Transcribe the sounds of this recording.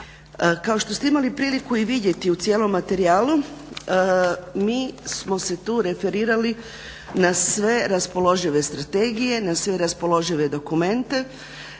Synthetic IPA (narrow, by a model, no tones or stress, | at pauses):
kao̞ʃt̪ost̪eimalipɾiːlikuiʋid̪je̞t̪iut̪sje̞ːlo̞mːat̪e̞ɾiaːlu | miːsmo̞se̞t̪uːɾe̞fe̞ɾiːɾali | nasʋe̞ɾaspo̞lo̞ʒiʋe̞st̪ɾat̪e̞ːɡije̞nasʋe̞ɾaspo̞lo̞ʒiʋe̞d̪o̞kume̞nt̪e̞